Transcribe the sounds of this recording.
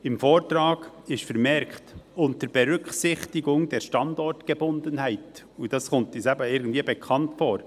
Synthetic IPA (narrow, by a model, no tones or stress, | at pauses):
ɪmfoːɾtɾɑːɡ̥ɪʃfəɾmɛɾkχtʊntəɾb̥ɛɾʏkχsɪχtɪɡʊŋd̥ɛɾʃtɑndɔrtɡ̥ebʊndənhæɪt | ud̥ɑsχʊntisæbəɪɾɡən̩dviːəbɛkʰχɑntfoːɾ